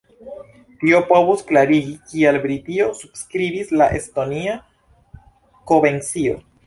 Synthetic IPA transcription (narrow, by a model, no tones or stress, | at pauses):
tio̞po̞vusklaɾiɡikielbɾitiosub̥skɾibislaʔe̞sto̞nia | ko̞be̞nt͡sio̰